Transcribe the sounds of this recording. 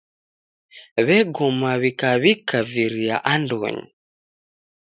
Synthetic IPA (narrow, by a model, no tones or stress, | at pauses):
βɛɡɔmaβikaβikaviɾia̰ʔandɔ̰ɲḭ